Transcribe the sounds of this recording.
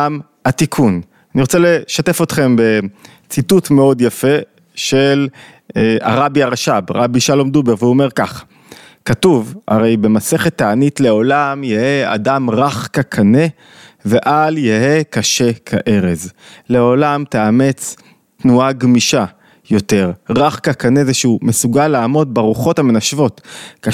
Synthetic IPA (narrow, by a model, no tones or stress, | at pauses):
am | hatikʰun | aniʁot͡sele̞ʃate̞fo̞t̪χe̞mbe̞ | t͡situtme̞o̞djafe̞ | ʃel | a̰ʁabiaʁaʃabʁabiʃalomd̪ubeʁveuome̞ʁkaχ | katuva̰ʁe̞jbe̞mase̞χe̞t̪ːaanitleo̞lamjejea̰damʁaχkakʰane | ve̞ʔaljehekaʃe̞kʰaʔe̞ʁe̞zle̞o̞lamteamet͡s | tnuaɡmiʃa | jo̞te̞ʁʁaχkakanezeʃeumesuɡalːaːmo̞d̚baʁuχo̞tame̞naʃvo̞tka